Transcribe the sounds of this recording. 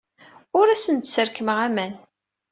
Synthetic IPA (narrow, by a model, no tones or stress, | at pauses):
ʊɾæsənt̪səɾkəməʁæmæn